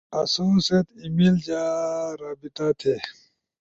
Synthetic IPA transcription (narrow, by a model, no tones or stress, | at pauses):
ɐsuset̪imild͡ʑaːɾaːbit̪at̪ʰeː